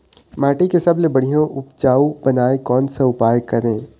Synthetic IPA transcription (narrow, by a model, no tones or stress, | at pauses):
maːʈikesɐblebɐɽ̤ijõʔʊp̚t͡ʃaːubɐnaːekɔːnseʊpaːjkɐɾẽː